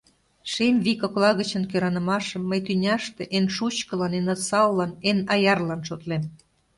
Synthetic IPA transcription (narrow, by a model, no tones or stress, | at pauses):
ʃemβikoklɑɣət͡ɕənkøɾɑnə̆mɑʃəmːəjt̪ynʲɑʃt̪eʔenʃut͡ɕkə̆lɑnenɑsɑwlɑnenɑjɑrlɑnʃot̪lem